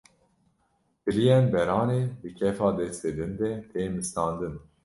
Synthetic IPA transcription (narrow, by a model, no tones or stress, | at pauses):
bɨlijɛnbɛɾɑːneːbɨkʰɛfɑːd̪ɛst̪ed̪ɨnd̪ɛt̪eːmɨst̪ɑːnd̪ɨn